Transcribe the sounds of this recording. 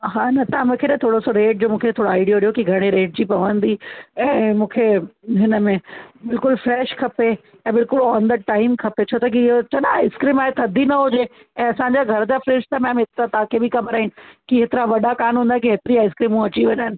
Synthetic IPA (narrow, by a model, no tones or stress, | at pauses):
ɦaːnɐt̪amũːkʰeːt̪ɐt̪ʰoːɽosoɾeːʈ̚d͡ʑoːmũːkʰet̪ʰoːɽoaːɪɖijoɗijokiɡʱɐɽ̃eɾeːʈ̚d͡ʑipɐʋə̃nd̪iɛ̃ːmũːkʰeɦɪnəmẽbɪlkʊlfɾɛːʃkʰɐpe | ɛ̃ːbɪlkʊlɔːnd̪əʈaːɪmkʰɐpet͡ɕʰot̪ɐk̬iɦot͡ɕɐɗaaːɪskɾiːmaːɦet̪ʰɐd̪ʱinɐɦʊd͡ʑe | ɛ̃ːɐsãɲd͡ʑaɡʱɐɾd͡ʑaːfɾeːʃt̪ɐmẽɐmẽɦɪt̪ɾat̪akʰebɪkɐbəɾaːɦinɪ̆kiɦet̪ɪɾaʋɐɗakaːnɦũnd̪aɦkiɦet̪ɪɾiaːɪskɾiːmũɐt͡ɕiʋɐɲaːɪnɪ̆